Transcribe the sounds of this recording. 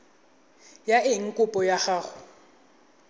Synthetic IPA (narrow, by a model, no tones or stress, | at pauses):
jaʔɪŋ̩kʼʊpʼɔjaχaːχʊ